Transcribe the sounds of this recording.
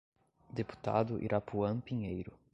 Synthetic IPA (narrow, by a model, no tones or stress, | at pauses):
d̪epu̥t̪a̰d̪ʊʔḭɾʔapuɐ̃pĩɲejɾʊ